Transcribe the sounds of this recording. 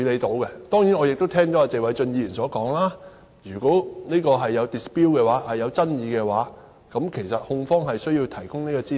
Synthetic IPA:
y˨˧ne˨˧t̪o˨˥wkɛ˧t̪ɔː˥ŋjiː˨˥nɔː˨˧jɪ˨k̚t̪o˥wt̪ʰɛː˥ŋt͡ʃɔ˨˥aː˧t͡se˨wɐ˨˧jt͡ʃɵ˧njiː˧y˨˩sɔː˨˥kɔː˨˥ŋlaː˥ | jyː˨˩ko˨˥neː˥kɔː˧ɦɐ˨jːɐ˨˧wt̪i˨˩spiː˥wkɛː˧waː˨˥hɐ˨jːɐ˨˧wt͡sɐ˥njiː˨˧kɛː˧waː˨˥ | kɐ˨˥mkʰe˨˩jsɐ˨t̚hʊ˧ŋfɔː˥ŋɦɐ˨jsɵ˥ɥjiː˧wt̪ʰɐ˨˩jkʊ˥ŋne˥kɔː˧t͡siː˥

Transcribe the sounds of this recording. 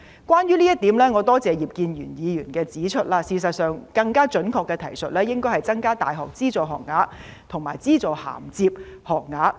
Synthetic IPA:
kwaː˥njyː˥liː˥jɐ˥t̪iː˨˥mlɛː˥ŋɔː˨˧t̪ɔː˥t͡sɛː˨jiː˨p̚kiː˧njyː˨˩njiː˨˧jyː˨˩nkɛː˧t͡siː˨˥t͡ʃʰɵ˥t̚laː˧siː˨˧sɐ˨t̚sœː˨ŋkɐ˧ŋkaː˥t͡ʃɵ˨˥nkʰɔː˨˧kːɛː˧t̪ʰɐ̰˨˩jsɵ˨t̚lɛː˥jɪ˥ŋkɔː˥jhɐ˨jt͡sɐ˥ŋkaː˥t̪a̰ː˨jɦɔː˨k̚t͡siː˥t͡sɔː˨˩ɦɔː˨k̚ŋaː˨˥ | t̪ʰʊ˨˩ŋmaː˨˩jt͡siː˥t͡sɔː˨˧ha̰ː˨˩mt͡siː˧p̚hɔː˨k̚ŋaː˨˥

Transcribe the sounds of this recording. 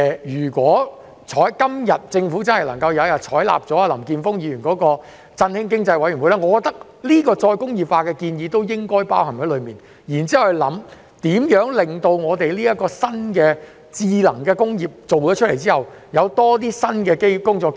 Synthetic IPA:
ɛ˨jyː˨˩kʷɔː˨˥ | t͡ʃʰɔː˨˥jkɐ˥mjɐ˨t̚t͡sɪ˧ŋfu˨˥t͡sɐ˥nhɐ˨jlɐ˨˩ŋkɐ˧wjɐ˨˧aː˨˩t͡ʃʰɔː˨˥jla̰ː˨p̚t͡sɔː˨˥a˧lɐ˨˩mkiː˧nfʊ˥ŋjiː˨˧ɥyː˨˩nkɔː˨˥kɔː˧ | t͡sɐ˧nhɪ˥ŋkɪ˥ŋt͡sɐ˧jwɐ˧˥jɥy˨˩wu˨˦laː˥ŋɔ˨˧kɔ˧k̚t̪ɐ˥k̚ | liː˥kɔː˧t͡ʃɔː˧jkʊ˥ŋjiː˨p̚faː˧kɛː˧kiː˧njiː˨˧t̪o˥wjɪ˥ŋkɔː˥jpaː˥whɐ˨˩ŋhɐ˨˥jlɵ˨˧ɥmiː˨n | jiː˨˩nt͡siː˥˨˩wlɐ̰˨˥m | t̪iː˨˥mjœː˨˥ŋlɪ˨ŋt̪o˧wŋɔː˨˧t̪e˨jliː˥jɐ˥kɔː˧sɐ˥nkɛː˧ | t͡siː˧lɐ˨˩ŋkɛː˧kʊ˥ŋjiː˨˩p̚t͡so˨wt͡ʃɔː˨˥t͡ʃʰtle˨˩jt͡siː˥hɐ˨˩w | jɐ˨˧wt̪ɔː˥t̪̬iː˥sɐ˥nkɛː˧ke˥jkʊ˥ŋt͡sɔː˧k

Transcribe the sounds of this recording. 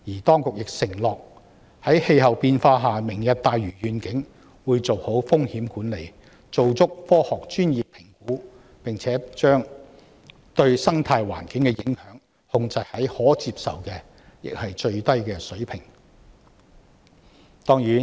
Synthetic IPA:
jiː˨˩t̪ɔː˥ŋkʊ˨k̚jɪ˨k̚sɪ˨˩ŋlɔː˨k̚ | hɐ˨˥jhe˧jhɐ˨wpiː˧nfaː˧ɦaː˨mɪ˨˩ŋjɐ˨t̚t̪aː˨jɥyː˨˩ɥyː˨nkɪ˨˥ŋ | wuː˨˧jt͡so˨˩who˨˥wfʊ˥ŋhiː˨˥mkuː˨˥nle˨˩j | t͡so˨wt͡sʊ˥k̚fɔː˥hɔː˨k̚t͡ʃyː˥njiː˨pʰːɪ˨˩ŋkuː˨˥ | pɪ˨ŋt͡sʰɛː˨˥t͡ʃœː˥ŋ | t̪ɵ˧ɥsɐ˥ŋt̪ʰaː˧jwa̰ː˨˩nkɪ˨˥ŋkɛ˧jɪ˨˥ŋhœː˨˥ŋ | hʊ˧ŋt͡sɐ˨jhɐ˨˥jhɔː˨˥t͡siː˧psɐ̰˨wkɛː˧ | jɪ̰˨k̚hɐ˨jt͡ʃɵ˧ɥt̪ɐ˥jkɛː˧sɵ˨˥ɥpʰɪ˨˩ŋ | t̪ɔː˥ŋɥyː˨˥

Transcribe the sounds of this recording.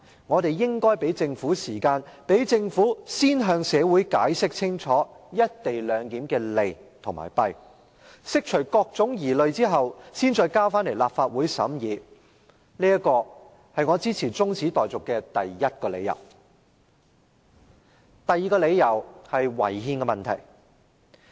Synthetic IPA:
ŋɔː˨˧ɾe˨jjɪ˥ŋkɔː˥jpe˨˥jt͡sɪ˧ŋfuː˨˥siː˨˩kaː˧npe˨˥jt͡sɪ˧ŋfuː˨˥siː˥nɦœː˧ŋsɛː˨˧wu˨˥jkaː˨˥jsɪ˥k̚t͡sʰɪ˥ŋt͡ʃʰɔː˨˥jɐ˥t̚t̪e˨jlœː˨˧ŋk̪iː˨˥mkɛː˧le˨jt̪ʰʊ˨ŋma̰ː˨˩jpɐ˧j | sɪ˥k̚t͡ʃʰɵ˨˩ɥkɔː˧k̚t͡sʊ˨˥ŋjiː˨˩lɵ˨ɥt͡siː˥ɦɐ˨wsiː˥nt͡sɔː˧jkaː˥wfaː˥nle˨˩jlaː˨p̚faː˧t̚wuː˨˥jsɐ̰˨˥mjiː˨˧ | liː˥jɐ˥kːɔː˧ | hɐ˨jŋɔː˨˧t͡siː˥t͡sʰiː˨˩t͡sʊ˥ŋt͡sʰiː˨˥t̪ɔː˨jt͡sʊ˨kːɛː˧t̪ɐ˨jːɐ˥t̚kɔː˧le˨˧jːɐ̰˨˩w | t̪ɐ˨jːiː˨˧kɔː˧le˨˧jjɐ˨˩whɐ˨jwɐ̰˨˩jhiː˧nkɛː˧mɐ˨nt̪ʰɐ̰˨˩j

